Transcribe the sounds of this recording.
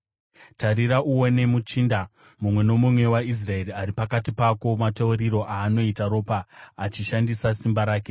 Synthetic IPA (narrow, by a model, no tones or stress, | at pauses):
taɾiɾaʔuwo̞ne̞mut͡ʃiːnda | mumwe̞no̞mumwe̞wais̬rae̞ɾiaɾipakatipako̞matauriɾo̞ʔaːno̞itaɾo̞ːpaːt͡ʃiʃandisasimbaɾaːke̞